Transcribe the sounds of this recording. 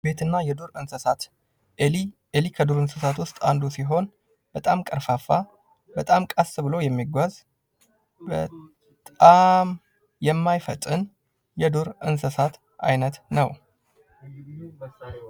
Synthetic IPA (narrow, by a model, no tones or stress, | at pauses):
be̞t̪ʰɨnːajɛd̪uɾɨnsəsat̪ | elikʰəd̪uɾɨnsəsat̪wʊst̪ʼand̪usiɦo̞n | b̥ət̪ʼamkʼəɾfafa | bət̪ʼamkʼasɨbɨlowjɛmːiɡʷaz | bə | t̪ʼam | jɛmːajfət̪ʼːɨn | jɛd̪uɾɨnsəsat̪ | a̰jnət̪nəw